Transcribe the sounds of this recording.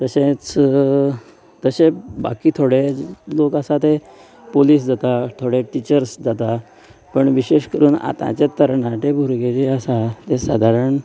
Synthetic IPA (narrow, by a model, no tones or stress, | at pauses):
t̪əɕẽt͡s | t̪əɕeba̰kiːt̪ʰoɽelokasat̪e | poliːs̬d͡zat̪at̪ʰoɽeʈit͡ɕəɾsd͡zat̪a | pəɳʋiɕeʂkəɾuːna̰t̪ã̰t͡ɕet̪əɾɳãt̪ebʱuɾɡed͡ʑiasat̪esad̪ʱaɾəɳ